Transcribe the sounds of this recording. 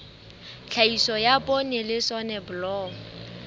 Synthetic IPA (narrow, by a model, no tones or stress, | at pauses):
t͡ɬʰaisɔjapʼɔnɪlɪsɔnɛbʊlɔːŋ̩